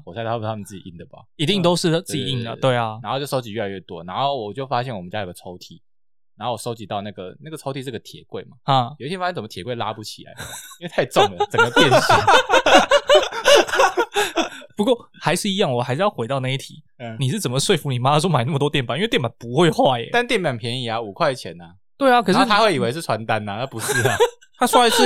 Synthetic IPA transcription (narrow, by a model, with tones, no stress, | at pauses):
xo˨˩sa˥˧tʰa˥˩˥a˥mə˨nt͡sɹ̩˥˩t͡ɕḭ˨i˥˩d̪ə˨˩ba̰˨˦i˧˥t̪i˥˩ŋt̪o˥ʊʂɻ̩˥˧t͡sɹ̩˥˩t͡ɕi˨˩i˥˩nlə̰˨˩t̪we˥˩ɪɐ˨˩a˧˥xo˥˧˨jo˥˧˩ʂo˥ʊt͡ɕi˨ɥɛ˥˩la˧˦ɥɛ˥˩t̪wɔ̰˦na˧˥xo˥˩ʊwɔ˨˩t͡ɕjo˥˩ʊfa˦˥ɕɛ˥˩wə˦t͡ɕa˥jɡə˦t͡sʰo˧˥ʊt̪ʰi˨˩ | na˧˥xo˥˩wɔ˨˩ʂo˥ʊt͡ɕi˨˦t̪ɑ˥˧ʊna˥˩ɡə˩na˥˩ɡə˩t͡sʰo˥ʊt̪ʰi˧ʂ̬̩˥˧ɡə˩t̪ʰjɛ̰˨˩˦kwe˥˩ɪma˩a˥˩jʊ˦it̪ʰjt͡sə˨˩mə˦jɛ˨˩kwɪla̰˦˥pu˥˩t͡ɕʰi˨˩la̰˨˦˥t̪ʰa˥˧ɪʈ͡ʂʊ˥˨˩ŋd̪ə˩t͡sə˨˩˥ɡə˦pjɛ˥˧nɕ | pu˧˥kwɔ˥˩ | xa˧˥ɪʂɻ̩˥˩i˧˥jɑ˥˩ŋwɔ˨˩a˧ɪʂ̩˥˧jɑ˥˧ʊxe˧ɪt̪ɑ˥˧ʊna˥˧i˥˩t̪ʰḭ˨˩˦ | ni˨˩ʂɻ̩˥˩t͡sə˨˩mə˩ʂwe˥˩ɪfu˧˥ni˨˩ma˥ma˧˥so˥ma˨ɪna˥˩mə˩t̪wɔ˥jnpa˨˩˦wt̪jɛ˥˨˩pa˨˩npu˧˦xwe˥˧ɪxwa˥˩ɛ̰˨˦t̪a˥˧nt̪jɛ˥˩npa˨˩npʰjɛ˧˥ni˨˩a˦u˨˩kʰwa˥˩ɪt͡ɕʰjɛ̰˧˦nɐ˦ | t̪we˥˩ɪa˨kʰɤ˨ʂɻ̩˥˨t̪ʰa˥xwe˥˩ɪi˨˩we˧ɪʂ̬̩˥˩t͡sʰwa˧˥nt̪a˦na˨t̪ʰa˥pu˧˦ʂɻ̩˥˩ | t̪ʰa˥su˥a˥ɪʂɻ̩˥˩